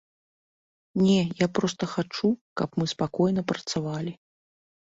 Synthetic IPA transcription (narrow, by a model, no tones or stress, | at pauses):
nʲɛjapɾɔst̪ɐxat͡ʂukapmɨspakɔjnɐpɾɐt̪savalʲi